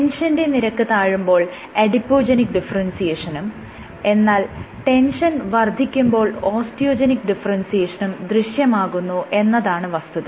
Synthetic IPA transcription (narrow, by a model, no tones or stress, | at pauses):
enʂɐnde̞niɾɐkːɨt̪aːɻumbo̞ːɭ | ɐɽipːo̞ːd͡ʑenikːɖifɐrɐnsijeːʂɐnum | e̞nːaːl | ʈe̞nʂɐnʋɐrd̪ʱikʲːumbo̞ːɭo̞ːsʈijo̞ːd͡ʑenikːɖifɐrɐnsijeːʂɐnumd̪riɕjɐmaːɣunːuʔe̞nːɐðaːɳɨʋɐst̪uðɨ